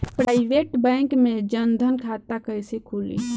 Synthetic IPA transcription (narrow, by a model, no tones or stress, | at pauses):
pɾaiʋeʈbɛ̃ŋkmed͡ʒənd̪ʱənkʰat̪akəjsekʰulḭ